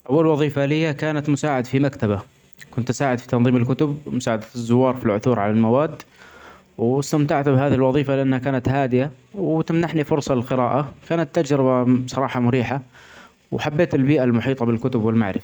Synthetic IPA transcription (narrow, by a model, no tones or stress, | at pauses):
ʔawːalwɑðˤiːfalɪjːakaːnat̪mʊsaːʕad̪fimakt̪aba | kʊnt̪ːsaːʕɪd̪fi̥t̪ɑnðˤiːmɪlkʊt̪ʊb̚mʊsaːʕad̪azːʊwːɑːɾˤfilʕʊθuːɾʕalalmawaːd̪ː | wɪst̪amt̪aʕt̪bhaːðihɪlwɑðˤiːfalɪʔanːhakaːnat̪haːd̪ɪja | wt̪amnaħnifʊɾsˤɑlɪlqɪɾaːʔakaːnat̪ːad͡ʒɾɪbasˤɑɾˤɑːħɑmʊɾiːħa | wħabːeːt̪ɪlbiːʔalmʊħiːt̪ˤɑbɪlkʊt̪ʊbwɪlma̰ʕɾɪfa